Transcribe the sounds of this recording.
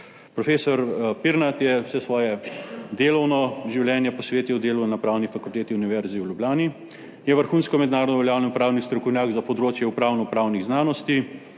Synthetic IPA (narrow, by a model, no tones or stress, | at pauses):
pɾɔfeːsɔɾpiɾnat̪jɛwsɛsʋɔːjɛd̪eːlɔwnɔʒiwljɛːnjɛpɔsʋeːt̪iwd̪eːlunapɾaːwnifakult̪eːt̪iuniʋɛɾziwlʲjubljaːni | jɛʋəɾxuːnskɔmɛd̪naːɾɔd̪ɔʋɛljaːwnɛpɾaːwnist̪ɾɔkɔwnʲjaːɡzapɔd̪ɾoːt͡ʃjɛupɾaːwnɔpɾaːwniɣznaːnɔst̪i